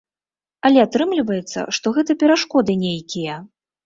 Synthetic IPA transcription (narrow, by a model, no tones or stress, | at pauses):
ɐlʲɛat̪ɾɨmlʲivɐjɛt̪sːɐ̰ʂt̪ɔɣɛt̪ɐpʲɛɾaʂkɔd̪ɨnʲejkʲijɐ